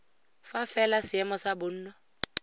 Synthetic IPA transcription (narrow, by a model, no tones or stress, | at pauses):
fafɛlasɪɛmɔsabʊn̩ːnɔ